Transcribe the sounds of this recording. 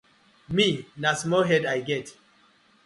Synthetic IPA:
minasmɔɦɛdajɡɛt

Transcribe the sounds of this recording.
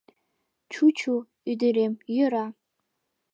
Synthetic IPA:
t͡ʃʰut͡ʃʰu | idɨɾemjɪɾa

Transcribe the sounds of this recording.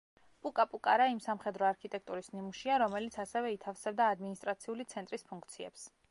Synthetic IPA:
pʼukʼapʼukʼaɾaimsamχɛd̪ɾɔaɾkʰit̪ʼɛk̚ʰt̪ʼuɾisnimuʃiaɾɔmɛlit̪sʰasɛvɛit̪ʰafsɛb̚d̪aːd̪minist̪ʼɾat̪sʰiulit̪sʰɛnt̪ʼɾispʰuŋkʰt̪sʰiɛ̰ps

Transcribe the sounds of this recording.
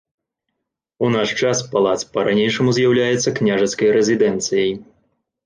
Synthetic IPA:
unaʂt͡ʂaspalˠat̪spɐɾanʲejʂɐmuzʲjawlʲajɛt̪sːɐknʲaʐɐt̪skɐjɾɛzʲid̪ɛnt̪sɨjɐj

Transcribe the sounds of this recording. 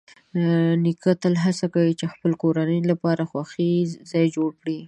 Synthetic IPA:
nikət̪alɦasakawit͡ʃexpəlkoɾanəjlapɑɾaxwaxizɑjd͡ʒoɽkɽi

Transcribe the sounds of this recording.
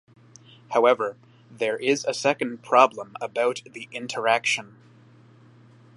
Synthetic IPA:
haʊɛvə˞ | ðə˞ʔɪzɨsɛkɨ̃npʰɹ̥ɑblə̃məbaʊt̪̚ðiʔɪ̃ntʰə˞ækʃɨ̃n

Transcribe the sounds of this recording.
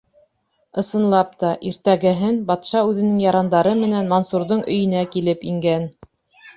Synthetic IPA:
ɤ̆sɤ̆nlˠɑp̚t̪ɑʔiɾt̪æɡɘ̆ɦɘnbɑt̪ʃɑʉðɘ̆nɘŋjɑɾɑnd̪ɑɾɤmɘ̆nænmonsuɾðɤɴʔɵ̆jɵ̆nækilɘpiŋɡæn

